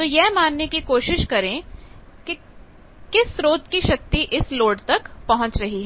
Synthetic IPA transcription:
t̪oːjɛɦmaːnːekikoːʃɪʃkɐɾẽ | ke | kɪsɾoːt̪kiʃɐk̚t̪iʔɪsloːɖt̪ɐkpɐɦʊ̃t͡ʃɾɐɦiɦɛː

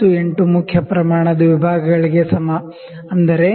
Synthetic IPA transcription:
ue̞ɳʈumukʰjɐpɾɐmaːɳɐd̪ɐʋibʱaːɡɐɡɐɭiɡe̞sɐmɐ | ɐnd̪ɐɾe̞

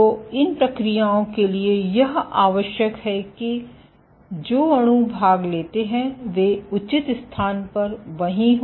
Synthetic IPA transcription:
oːɪnpɾɐkɾijaːõkeliejɐɦa̰ːʋəʃjəkɦɛki | d͡ʒoːɐɽ̃ubʱaːɡleːt̪eɦɛ̃ʋeːʊt͡ʃɪt̪st̪ʰaːnpɐɾʋɐɦĩɦ

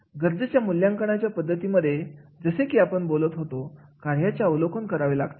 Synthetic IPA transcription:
ɡəɾd͡zət͡ɕjamuljãŋkəɳat͡ɕjapəd̪ʱːət̪iməd̪ʱːjed͡zəsekiːapəɳbolət̪ɦot̪okaɾjat͡ɕjaəwlokʰənkəɾaʋela̰ɡt̪e̥

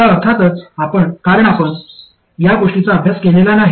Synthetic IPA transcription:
aəɾt̪ʰat̪ət͡sapəɳkaɾəɳapəɳ | jaɡoʂʈit͡saəbʱjaskelelanaɦ

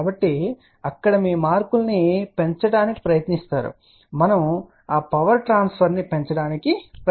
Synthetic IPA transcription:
bɐʈːi | ɐkːɐɽɐmiːmaːɾkulɐnipe̞ɲt͡ʃɐɽaːniki̥pɾɐjɐt̪nist̪aːɾṵ | mɐnɐm | aːpɐʋɐɾʈɾaːnspʰɐɾnipe̞ɲt͡ʃɐɽaːnikip

